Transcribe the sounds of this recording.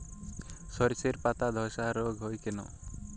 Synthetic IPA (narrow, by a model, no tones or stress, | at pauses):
sɔɾiseɾpat̪ad̪ʱɔsaɾoɡɦojkeno̰